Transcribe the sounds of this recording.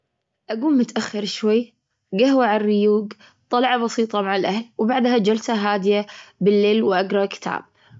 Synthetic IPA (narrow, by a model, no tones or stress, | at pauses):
ʔaɡuːlmʊt̪ʔaxːɪɾʃwajː | ɡahwaʕarːɪjuːɡ | t̪ˤːɑlʕɑbɑsiːt̪ˤɑmaʕalʔahlwbaʕd̪had͡ʒalsaɦaːd̪ɪjabɪlːeːlwʔaɡɾˤɑkɪ̥t̪ʰa̰ːb̥̚